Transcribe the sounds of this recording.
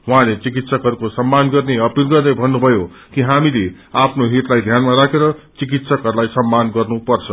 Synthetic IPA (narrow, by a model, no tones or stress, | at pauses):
ɦũãlet͡sik̬it̪sʌkɦʌɾukosʌmːanɡʌrneʌpilɡʌrd̪ʌjbʱʌnːubʱʌjo | kiɦamile | apʰnoɦiʈlajd̪ʱjanmaɾakʰeɾʌt͡sik̬it̪sʌkɦʌɾulajsʌmːanɡʌrnupʌrt͡sʰʌ